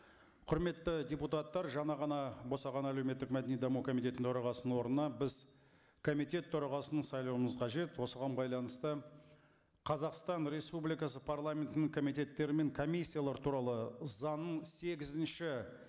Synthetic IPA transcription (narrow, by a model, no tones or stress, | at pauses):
qʰʊɾme̞t̪ːɪdʲeput̪ɑt̪ːɑɾʒɑɴɑʁɑnɑbo̞sɑʁɑnæle̞wme̞t̪ːɪkmæd̪e̞nid̪ɑmukʰo̞mijt̪ʲe̞t̪ɪnt̪ʰoɾɑʁɑsənwo̞ɾnənɑbɪz | kʰo̞mit̪ʲe̞t̪ʰːʊɾɑʁɑsənəɴsɑjlˠɑwəməzqʰɑʒe̞t̪wo̞səʁɑnbɑjlˠɑnəst̪ə | qʰɑzɑqst̪ɑnɾe̞spublijkɑsəpʰarlˠamʲe̞nt̪ɪnɪŋkʰo̞mijt̪ʲe̞t̪ːe̞ɾɪme̞ŋkʰo̞misʲːijalˠɑɾət̪ʰuɾɑlˠəzɑnːəɴse̞ɡʲɪzɪnʃɪ